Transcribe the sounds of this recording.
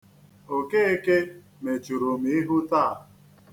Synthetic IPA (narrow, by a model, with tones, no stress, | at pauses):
o˨ke˦e˦ke˦ | me˨t͡ʃu˨ɾo˨mi˦i˦ɦʊ˦taː˦˨